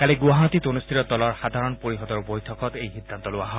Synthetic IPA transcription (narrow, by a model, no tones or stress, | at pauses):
kaliɡuaɦɔt̪it̪onust̪ʰiɾɔd̪ɔlɔɹxad̪ʱaɹɔnpoɹiɦɔd̪ɔɹbojtʰɔkɔt̪ejxid̪ʱːant̪ɔlʊaɦɔ